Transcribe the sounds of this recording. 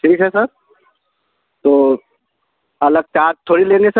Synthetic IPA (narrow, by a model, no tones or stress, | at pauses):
ʈʰiːkɦɛsəɾ | t̪oː | ɐləɡ̚t͡ʃaːd̪̚t̪ʰːoːɽileːnesə